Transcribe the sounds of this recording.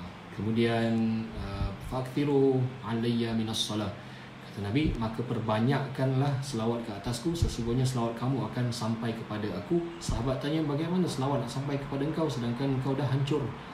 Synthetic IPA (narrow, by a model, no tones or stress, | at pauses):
kəmũdianəfaʔak̚θiɾualajːamɪnasːɔlah | kḁt̪anãbimãkəpərbaɲaʔkanlahsəlawat̪̚kəat̪askusəsuŋɡuhɲas̬əlawat̪̚kamuakansampajkəpadaakusaɦabat̪ːaɲabaɡajmanasəlawat̪̚naʔsampajkə̥padaəŋkawsədaŋkanəŋkawdaɦaɲt͡ʃʊr